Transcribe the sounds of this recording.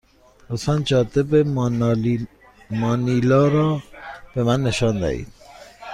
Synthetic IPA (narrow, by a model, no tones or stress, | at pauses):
osænd͡ʒɒːd̪ebe | mɒːnilɒːɾɒːb̥emænːeʃɒːnd̪æ̰hḭd̪̥̚